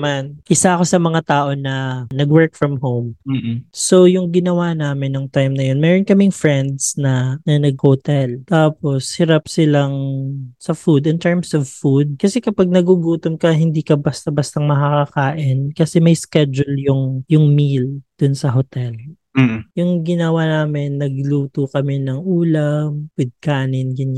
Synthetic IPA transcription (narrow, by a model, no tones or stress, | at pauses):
manʔɪsakosɐmɐŋat̪aːʔo̞nɐnɐɡwɛɹk̚fɹɐmhowm̩so̞jʊŋɡɪnɐwanaːmɪnːɐŋt̪ajmnɐjo̞nmɛːɾonkɐmɪŋfɹɛnd̪snɐnɐnɐɡ̚hot̪ɛlt̪aːposhɪɾapsɪlaŋsɐfud̪ɪnt̪ɛɹmsɔvfud̪̚kɐsɛkɐpaɡ̚nɐɡuɡuːt̪omkɐɦɪnd̪iːkɐbɐst̪ɐbɐst̪ɐŋmɐkɐkɐkaːʔɪnkɐsɛmɐjskɛd͡ʒʊljʊŋjʊŋmild̪̥ʊnsɐɦot̪ɛl̩ː | jʊŋɡɪnɐwanaːmɪnːɐɡluːt̪ukɐmɛnɐŋʔuːlɐmwɪd̪̚kaːnɪnɡɪn